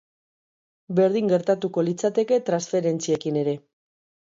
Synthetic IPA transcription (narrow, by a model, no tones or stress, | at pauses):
beɾð̞iŋɡe̞ɾt̪at̪uko̞lit͡sat̪e̞ke̞t̪ɾansfe̞ɾe̞nt͡sie̞kine̞ɾe̞